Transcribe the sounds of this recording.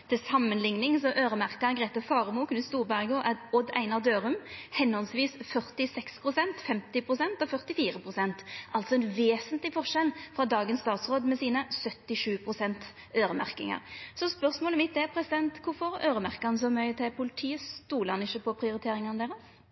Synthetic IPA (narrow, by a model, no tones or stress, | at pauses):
t̪ʰɪlsɑmːənlɪŋnɪŋsɔʔøːɾəmæʁkəɡʁeːt̪əfɑːʁəmuːkʰnʉːst̪uːɾbæʁɡoʔɛtɔd̪æ̰ɪnɑd̪øːɾʉmhɛnɔlsʋiːsfœʁt̪ɪsɛkspʰʁʊsɛnt̪fɛmt̪ɪpʰɾʊsɛnt̪ɔfœʁt̪ɪfiːɾəpʰɾʊsɛnt̪ʔɑlt̪sɔɛnʋeːsənt̪lɪfɔʁʂɛlfɾɑd̪ɑːɡənst̪ɑːt̪sʁoːd̪mɛsiːnəsœt̪ːɪʂʉːpʰʁʊsɛnt̪ | øːɾəmæ̰ʁkɪ̰ŋɑ̰ɾsɔspœʁsmoːləmɪt̪̚d̪ɛpʰɾɛsɪd̪ɛnt̪kʰʊfɔɾøːɾəmæʁkɑnəsɔmœʏət̪ʰɪpʰʊlɪt̪ʰiːəst̪uːlɑnɪçəpʰɔpʰɾɪʊɾɪt̪ʰeːɾɪŋɑnəd̪eːʁəs